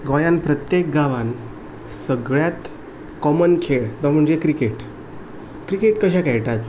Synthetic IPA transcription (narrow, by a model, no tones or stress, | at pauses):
ɡɔjanpɾət̪jek̚ɡaʋan | səɡɭjat̪ | kɔmənkʰeɭd̪ɔm̤əɳd͡ʑekɾikeʈ | kɾikeʈkəɕ̬akajʈ̪at̪